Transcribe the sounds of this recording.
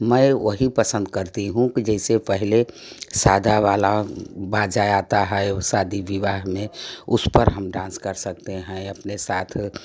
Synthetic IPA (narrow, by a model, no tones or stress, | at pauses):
məoɦipəsə̃nd̪kəɾt̪iɦũkid͡ʒɛɪsepəɦile | sad̪ʱaʋalabad͡ʒajat̪aɦɛɛsad̪iʋiʋaɦmẽʊspəɾɦəmɖãːnskəɾsək̚t̪eɦɛ̃əpnesaːt̪ʰ